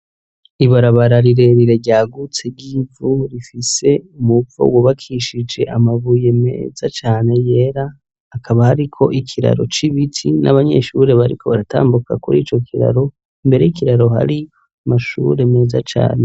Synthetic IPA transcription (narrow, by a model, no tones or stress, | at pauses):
iβaɾaβaɾaɾiɾe̞ɾiɾe̞ɟaːɡut͡seɾɟiːvuɾifise̞umuvo̰woβakʰiʃid͡ʒe̞ʔamaβuje̞me̞̰ːzat͡ʃaːne̞je̞ɾaː | kʰaβahaɾikʰo̞ʔikʰiɾa̰ɾo̞̰t͡ʃiβitʰina̰βaɲe̞̰ʃuɾe̞βaɾḭkʰo̞βaɾatʰa̰ːmbukʰa̰kuɾḭːt͡ʃo̞kʰiɾa̰ɾo̞ | imbe̞ɾe̞jikiɾaɾo̞ha̰ɾi | maʃṵɾe̞me̞ːza̰t͡ʃa̰ːne̞